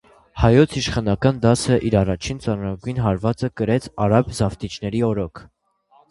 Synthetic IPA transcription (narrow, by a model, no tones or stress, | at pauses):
hɑjɔt͡sʰiʃχɑnɑkɑnd̪ɑsəʔiɾɑrɑt͡ʃʰint͡sɑnuɾɑɡujnɦɑɾvɑt͡səkəɾɛt͡sʰɑɾɑbzɑft̪it͡ʃʰnɛɾiɔɾɔkʰ